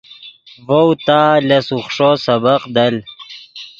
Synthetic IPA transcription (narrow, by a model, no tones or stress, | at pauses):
vowt̪aːlɐsuχʂosɐbɐqd̪ɐl